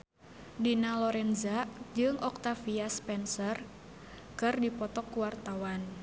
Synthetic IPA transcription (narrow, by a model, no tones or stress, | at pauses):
dinalɔɾɛnzad͡ʒɨŋɔk̚t̪afiaspɛnsər | kɨrdipɔt̪ɔkːuwart̪awan